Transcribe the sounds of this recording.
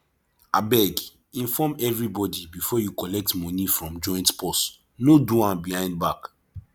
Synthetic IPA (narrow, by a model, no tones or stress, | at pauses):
abɛɡ | ĩnfɔmɛvɹibɔdibifɔjukɔlɛk̚tmɔ̃nifɹɔ̃md͡ʒɔ̃j̃ntpɔs | noduãnbihãɪ̃nd̚bak